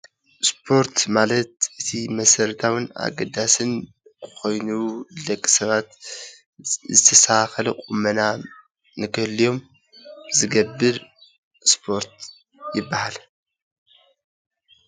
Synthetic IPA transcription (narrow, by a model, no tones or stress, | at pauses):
spʰo̞ɾt̪ʰmalɐt̪̚ʔɨt̪ʰimɐsɐɾt̪ʰawɨna̰ɡɐd̪asɨn | kʰo̞jnulɐkʼːi̥sɐβat̪ | zɨt̪ʰɐsaxɐlɐkʼumɐna | nɨkʰɨhlːijo̞m | zɨɡɐbːɨɾ | spʰo̞ɾt̪ | jɪbːahal